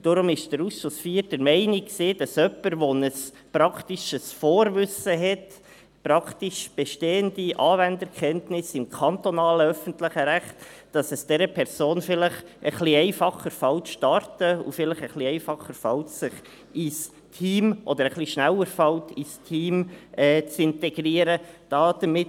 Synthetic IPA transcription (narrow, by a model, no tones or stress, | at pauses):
d̥ɔɾʊmɪʃd̥əɾusʃʊsfiːɾtəɾmɛɪniksiːd̥ɑsœpːəɾʋɔnəs | pɾɑktiʃəsfoːɾvʏsəɦɛt | pɾɑktiʃb̥ɛʃteːəndiʔɑːvændəɾkʰɛntnɪsɪmkʰɑntɔnɑːləœfən̩tlɪχəɾæχtd̥ɑsɛsd̥ɛɾəpʰɛɾsoːnfɪlɪχʔəχliɛɪfɑχəɾfɑltʃtɑɾtəṵfɪləχəχliɛɪfɑχːəɾfɑltsɪχ | ɪs | tʰiːmʔɔd̪əɾəχliʃnæwəɾfɑltistʰiːmʔɛːt͡sɪntɛɡɾiːəɾəd̥ɑːd̥əmɪt